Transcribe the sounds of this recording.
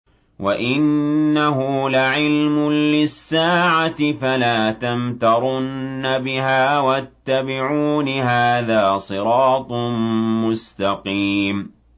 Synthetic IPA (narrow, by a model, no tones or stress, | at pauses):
wʔaʔɪnːaɦʊlaʕɪlmʊlɪsːaːʕat̪ɪfalaːt̪amt̪ɑɾˤʊnːabɪɦaːwat̪ːabɪʕuːnɦaːðaːsˤɨɾɑːt̪ˤmʊst̪ɑqiːm